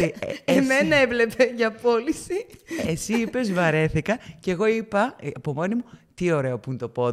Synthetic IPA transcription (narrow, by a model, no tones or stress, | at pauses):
iemmenɐevle̞peʝɐpo̞lisiesiipe̞zvɐɾe̞θikɐceɣo̞ipɐɐpo̞mo̞nimut̪io̞ɾe̞opunt̪o̞po̞